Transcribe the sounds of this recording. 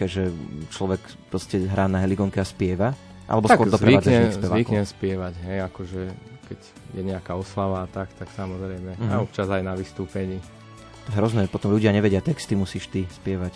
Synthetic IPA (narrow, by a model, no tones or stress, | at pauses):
ɛʒɛt͡ʃlɔʋɛk | pɾɔscɛɦɾaːnaɦɛliɡɔŋkɛaspɪɛʋa | ʔa̰lɛbɔsʊɔɾd̪ɔpɾɛiad͡zaʒisɛʋaikɲɛspɪɛʋaɟɦɛjakɔʒɛkɛɟ | jɛɲɛakaɔslaʋaːt̪akt̪aksamɔzɾɛjmɛaɔp̚t͡ʃazajnaʋist̪uːpɛɲiː | t̪ɔɛɦɾɔznɛːpɔt̪ɔmʎuɟɪaɲɛʋɛɟɪat̪ɛkst̪imusiːʃt̪ispɪɛʋac